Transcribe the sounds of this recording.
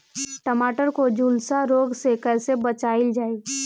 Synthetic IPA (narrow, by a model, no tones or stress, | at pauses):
ʈəmaːʈəɾkod͡ʒuːlsaɾoːɡsekɛːsebət͡ʃaːɪld͡ʒaːi